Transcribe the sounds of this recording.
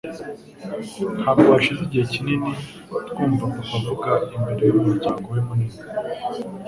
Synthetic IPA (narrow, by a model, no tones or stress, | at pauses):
n̥haɡowaʃiziɟihecinini | tkuːɱvakukavuɡaimbeɾe̞jumuɾɟaːŋɡowemunina